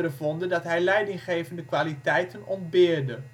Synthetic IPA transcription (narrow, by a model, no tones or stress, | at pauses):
rəvɔndədɑtɦɛjlɛjdɪŋχejvəndəkʋaːlitɛjtənɔndbɪːɹdə